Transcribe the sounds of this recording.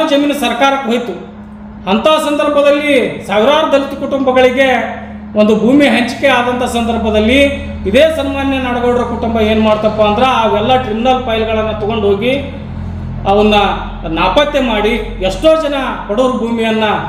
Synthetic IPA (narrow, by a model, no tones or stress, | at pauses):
d͡ʒɐmiːnɐsɐɾkaːɾɐkːuɦojt̪u | ɐnt̪aːsɐnd̪ɐɾbʱɐd̪ɐlːisaːʋiɾaːɾɐd̪ɐlːit̪ukuʈumbɐɡɐɭiɡe̞ | ond̪ubʱuːmiɦɐɲt͡ʃkeaːd̪ɐnt̪ʰɐsɐnd̪ɐɾbʱɐd̪ɐlːi | id̪eːsɐnmaːnjɐnɐɽɐɡoːɖiɾɐkuʈumbɐe̞ːnumaːɽt̪ɐpːɐɐnd̪ɾeaːɡɛlːɐʈɾiminɐlpɐjlɡɐɭɐnːɐt̪ɔɡo̞ɳɖɦo̞ːɡi | ɐʋɐnːuɐ | naːpɐt̪jemaːɽi | eʂʈo̞ːd͡ʒɐnɐkoɽoːɾubʱuːmijɐnːɐ